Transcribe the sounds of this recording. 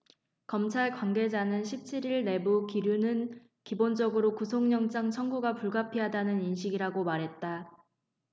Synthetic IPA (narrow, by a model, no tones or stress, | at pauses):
kʌmt͡ɕʰaɭkwanɡe̞d͡ʑanɯnɕʰip̚t͡ɕʰiɾiɭne̞bukiɾjunɯn | kibond͡ʑʌɡɯɾokusʰoŋɲʌŋt͡ɕ͈ʰaŋt͡ɕʰʌŋɡuɡapuɭɡapʰiɦadanɯninɕ̬ʰiɡiɾaɡomaɾɦe̞t̚t͈a